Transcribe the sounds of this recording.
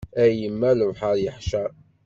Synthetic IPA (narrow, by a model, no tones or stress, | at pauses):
æjəmːæləvħaɾjəħʃæɾ